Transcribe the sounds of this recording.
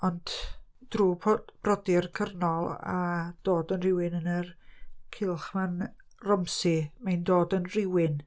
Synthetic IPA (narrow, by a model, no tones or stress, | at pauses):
ɔnd̥d̥ruːpʰb̥rɔdɪrkʰərnɔlˠa̰d̥oːdənrɪwɪnənərkʰɪlˠχman | rɔmsɪmajndoːdənrɪwɪn